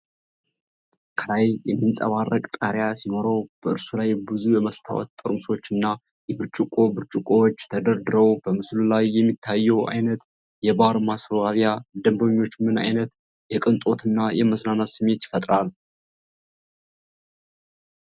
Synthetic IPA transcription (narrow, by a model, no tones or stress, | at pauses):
kʰəlajjɛmːinsʼə̰βarːəkʼt̪ʼaɾjasino̞ɾowb̥əʔɨɾsulajbɨzujɛməst̪ʰa̰wɔ̰t̪t̪ʼːəɾmso̞t͡ʃːɨnːa | jɛβɨɾt͡ʃʼɨkʼo̞bɨɾt͡ʃʼɨkʼowot͡ʃːt̪ʰəd̪əɾd̪ɨɾəwb̥əmɨslulajːɛmːit̪ʰːajːɛwʔa̰jnət̪ | jɛbaɾmasfəβaβjad̪əmbəɲːo̞t͡ʃːmɨna̰jnət̪ | jɛkʼɨnt̪ʼo̞t̪ʰɨnːajɛməsnanasɨmːe̞t̪jɪ̥fət̪ʼɾal